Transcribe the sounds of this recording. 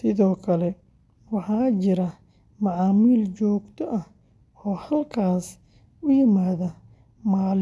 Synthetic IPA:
sɪðɔːkʰɐlɛ | wɑħɑːt͡ʃɪɾɐ | mɑʕɑːmiːlt͡ʃɔːɡt̪ʰɔʔɐh | ɔːhɐlkʰaːs | ʊjɪmaːðɐ | maːl

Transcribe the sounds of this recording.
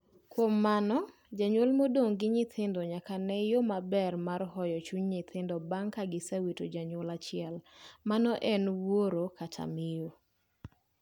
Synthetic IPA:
kwomːanɔ | d͡ʒaɲwolmodoŋɡɪɲɪt̪ʰɪndɔɲakanɛjomabɛrmarhɔjɔt͡ʃuɲɲɪt̪ʰɪndɔbaŋkaɡɪsawitod͡ʒaɲwolat͡ʃɪɛlmanɔʔɛnwoɾokatʰa̰mɪjo

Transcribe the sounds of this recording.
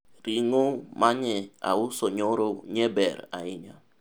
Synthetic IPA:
ɾiŋomaɲɛa̰ʊsoɲoɾoɲɛbɛɾaɪɲa

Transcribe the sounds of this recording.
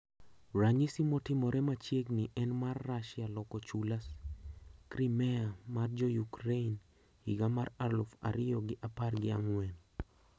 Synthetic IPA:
ɾaɲisimɔtɪmɔɾɛmat͡ʃjeɡnɪʔɛnmarːaʃɪalɔkɔt͡ʃulas | kɾimɛamard͡ʒɔjukɾein | hḭɡamaralʊfa̰ɾɪjɔɡɪʔaparɡɪa̰ŋwɛn

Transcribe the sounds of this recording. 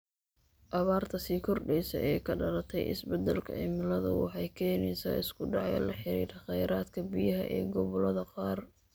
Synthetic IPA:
ʔɐβaːrt̪ʰɐsiːkʰɔrɖɛjsɐ̰ʔɛːkʰɐɖɐlɐt̪ʰɛjɪ̰sbɛd̪ɛlkʰɐ̰ɛmɪlɐðɐ̰wɑ̰ħɑjkʰɛːnɛjsa̰ːɪskʰʊɖɑʕjɔlɐħɪɾḭːɾɐχɛjɾaːd̪kʰɐbijɐɦɐʔɛ̰ːɡɔβɔlɐðɐqɑːr

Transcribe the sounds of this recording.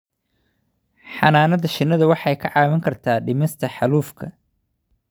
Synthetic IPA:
ħɑnaːnɐðɐʃɪnːɐðɐwɑħɑjkʰɐʕɑːmɐŋkʰɐrt̪ʰaːɖɪmɛst̪ʰɐħɑluːfkʰɐ

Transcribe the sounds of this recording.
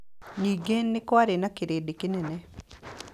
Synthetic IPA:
niɡenːɪkwaɾenakeɾedɪkɪnenɛ

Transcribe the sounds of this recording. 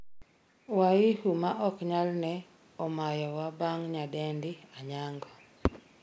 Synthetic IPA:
waihumaʔɔkɲalnɛ | ɔmajɔwabaŋɲadɛndɪaɲaŋɡɔ

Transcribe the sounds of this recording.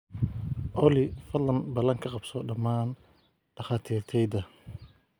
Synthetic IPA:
ʔɔlɪfɐlɐnbɐlɐŋkʰɐqɑbsɔɖɐmaːn | ɖ̥ɐχaːt̪ʰiːrt̪ʰɛjd̪ɐ

